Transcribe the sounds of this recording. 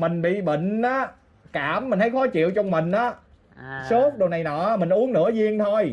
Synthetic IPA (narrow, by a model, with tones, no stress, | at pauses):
mï˨˩ŋ̟ɓḭ˧˨ɓə̰˧˨ŋ̟ʔaː˨˦ | kaː˧˩mːï˨˩ŋ̟t̪ʰjxɔ˨˦t͡ɕḭ˧˨əwt͡ɕɔ˧wŋ͡mmï˨˩ŋ̟ʔaː˨˦ | so˦˥t̚ɗo˨˩wna˨˩jnɔ̰˨˧˩mï˨˩ŋ̟ʔu˨˦əŋnɨ̰˧˥əzi˧əŋt̪ʰo˧j